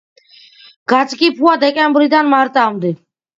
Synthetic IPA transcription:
ɡ̥at̪sʰʼkʼipʰuad̪ɛkʼɛmbɾid̪anmaɾt̪ʼamd̪i

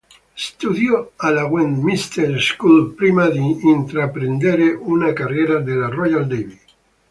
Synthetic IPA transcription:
st̪uðjoalaɣwend̪mist̪eɾskulpɾimaðiːnt̪ɾapɾend̪eɾeʔunakareɾaðelarɔjald̪eβi

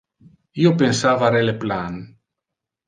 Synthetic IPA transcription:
iopensavaɾeleplan

